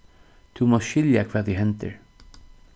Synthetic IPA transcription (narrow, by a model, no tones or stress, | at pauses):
t̪ʰumɔʃʏljakʰvaːd̪iɦɛnt̪ə̰ɹ